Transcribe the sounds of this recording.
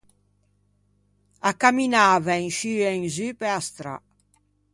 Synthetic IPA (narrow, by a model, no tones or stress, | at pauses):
akːaminaːvaɛŋʃyɛŋzypeast̪ɾa̰